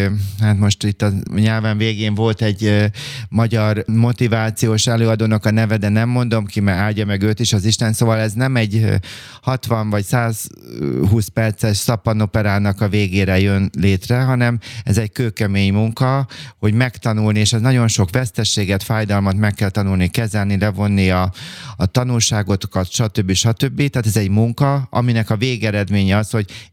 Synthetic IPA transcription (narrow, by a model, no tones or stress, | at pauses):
haːt̪mo̞ʃt̪it̪ːɒɲaːlvaːɱveːɡeːɱvo̞lt̪ɛɟ | mɒɟɒrmo̞t̪ivaːt̪sijoːʃɛløːɒd̪oːnɒkɒnɛvɛd̪ɛnɛmːo̞nd̪o̞mkimɛaːlɟːɒmɛɡøːt̪iʃɒziʃt̪ɛnsoːvɒlɛznɛmɛɟ | hɒt̪ʋɒɱvɒcsaːz | ɦuːspɛrt̪sɛʃsɒpɒno̞pɛɾaːnɒkɒveːɡeːɾɛjønleːt̪rɛɦɒnɛmɛzɛckøːkɛmeːɲmuŋkɒho̞ɟmɛkt̪ɒnulnieːʃɛznɒɟo̞nʃo̞kʋɛst̪ɛʃːeːɡɛt̪faːjd̪ɒlmɒt̪mɛkːɛlt̪ɒnulnikɛzɛlnilɛvo̞nːiɒːt̪ɒnulʃaːɡo̞t̪kɒt̪ʃɒt̪øbːiʃɒt̪øbːit̪aːt̪ɛzɛɟmuŋkɒɒ̰minɛkɒveːɡɛɾɛd̪meːɲɛɒsho̞ɟ